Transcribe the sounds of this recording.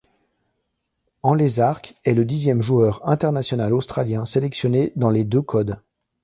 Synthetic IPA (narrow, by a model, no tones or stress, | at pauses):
ɑ̃lezaʁkɛləd̪izjɛmʒuœʁɛ̃t̪ɛʁnasjɔnalost̪χaljɛ̃selɛksjɔned̪ɑ̃led̪økʰɔd̪